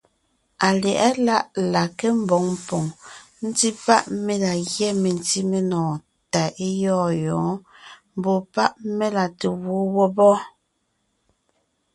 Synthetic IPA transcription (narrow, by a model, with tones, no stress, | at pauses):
a˨ljɛ˨ʔɛ˦la˦ʔla˨ke˦m̩˦bɔ˨˦ŋm˦pɔ˨ŋ | n̩˦ti˦pa˦ʔme˦la˨ɣjɛ˦me˨n˨ti˦me˦nɔ̃ː˨ | ta˨e˦jɔː˦jɔ̃ː˨˦m̩˦bo˨pa˦ʔme˦la˨te˨wo˦wɔ˦bɔ˦